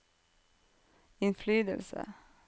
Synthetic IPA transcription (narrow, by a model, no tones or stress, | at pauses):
ɪnflyːd̪əlsə̰